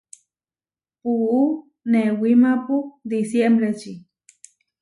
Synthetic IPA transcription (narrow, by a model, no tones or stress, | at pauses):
puu | newimapud̪isjembɾet͡ʃi